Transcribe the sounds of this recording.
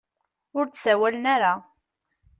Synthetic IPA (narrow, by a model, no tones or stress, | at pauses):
ʊɾt͡ssæwælənaɾa